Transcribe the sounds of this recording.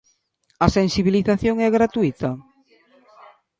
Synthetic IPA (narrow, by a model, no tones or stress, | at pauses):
asensiβiliθaθjoŋɛɣɾat̪uit̪ɐ